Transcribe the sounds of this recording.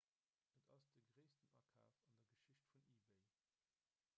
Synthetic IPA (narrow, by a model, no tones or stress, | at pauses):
ʔətɑ̰sd̥əɡʁeɪstənʔɑ̰kʰa̰ːfɑndɐɡəʃɪɕtfuniːbeɪ